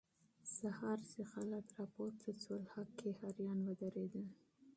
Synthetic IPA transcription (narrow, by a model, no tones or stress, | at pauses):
sahɑɾsexalakɾɑpoɾt̪ʰət͡solhɑkːehɑɾjɑnwəd̪əɾed̪ə